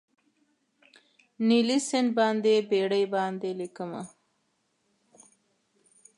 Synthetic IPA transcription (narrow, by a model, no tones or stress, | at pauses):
nilisɪn̚bɑnd̪ebeɽəjbɑnd̪elikəma̰